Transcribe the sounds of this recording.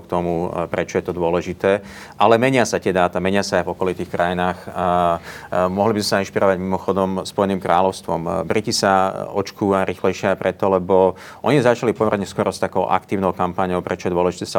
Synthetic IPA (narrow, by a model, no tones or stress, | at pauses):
kt̪ɔmupɾɛt͡ʃɔjɛt̪ɔd̪ʊɔlɛʒit̪ɛː | ʔalɛmɛɲɪasat̪ɪɛd̪aːt̪amɛɲɪasaːjvɔkɔlit̪iːxkɾajinaːx | mʊɔɦlibizmɛsainʃpiɾɔʋaɟmimɔxɔd̪ɔmspɔjɛniːmkɾaːlɔʊst̪ʋɔmbɾicisaɔt͡ʃkuːʋaɾixlɛjʃɪɪaɪpɾɛt̪ɔlɛbɔ | ʔɔɲizat͡ʃalipɔmɛɾɲɛskʊɔɾɔst̪akɔʊʔa̰kt̪iːʊnɔʊkampaːɲɔʊpɾɛt͡ʃɔjɛd̪ʊɔlɛʒit̪ɛsa